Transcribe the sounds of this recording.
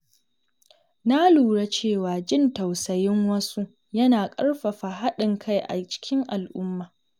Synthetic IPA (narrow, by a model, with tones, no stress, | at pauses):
na˦luː˨ɽa˦t͡ʃeː˦˨waː˨d͡ʒɪ˦˨nta˨wsɐ˨jɪ˦ŋwɐ˦su˦ | jɐ˦naː˨kʼɐ˦ɽɸɐ˨ɸa˨ɦa˦ɗɪ˨ŋkʰa˦˨jʔa̰˨t͡ʃɪ̥˦kʲɪ˦ŋʔa˨lʔʊ˦mːaː˨